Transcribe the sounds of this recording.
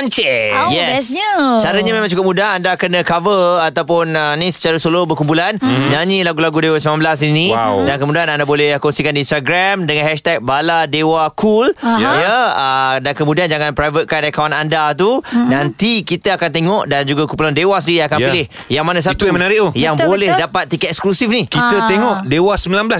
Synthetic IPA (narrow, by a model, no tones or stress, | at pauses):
nt͡ʃɛjɛsɲət͡ʃaɾaɲamẽmaŋt͡ʃukʊp̚mudaɦandakənəkavəat̪awp̬ʊnənisə̥t͡ʃaɾəsolobərkumpulannaɲilaɡulaɡudewasəmãnbəlas̬inĩwdankəmudianandabolɛhkɔnsikandinst̪aɡɾamdəŋanɦɛʃt̪ɛk̚baladewakʰuljəədankəmũdiand͡ʒaŋãnpɾajvət̪̚kanakawnandat̪̬udant̪ikit̪aakant̪eŋɔʔdand͡ʒuɡakumpulandewasdijaakanpilɪh | jaŋmanas̬at̪umənaɾɪʔojaŋbolɛhdapat̪̚ːikɛɛksklusifnikit̪ət̪eŋɔʔdewasəmbilanbəlas